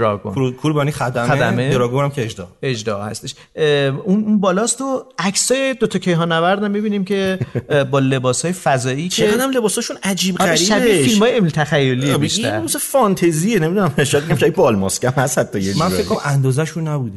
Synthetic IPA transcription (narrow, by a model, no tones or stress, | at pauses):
ɾɒ̰ɡo̰nɾukʰuɾbænixæd̪ææd̪æmeeɾɔːɡonæmkʰʲeed͡ʒd̪ɒ̰ed͡ʒd̪ɒhæ̰st̪e̞ʃ | ununbɒːlɒːst̪oæcsɒːjed̪ot̪ʰɒcʰejɦɒːnːævæɾd̪æmːibiːniːmcʰe̞bɒːle̞bɒːsɒːjefæzɒːiːct͡ʃʰeæd̪æmle̞bɒːsɒːʃunæd͡ʒiːbɡæɾiʃbæbifilmɒːjeemilt̪ʰæxæjːo̞liːebʃæɾmusefɒnt̪ʰezienemid̪unæmʃɔjæd̪miɡæmʃæbid̪̚bɒlmɒskʲæmhæst̪hæt̪ʰːɒjemænekʰːoɾæmænd̪ɒːzæʃunːæbud̪e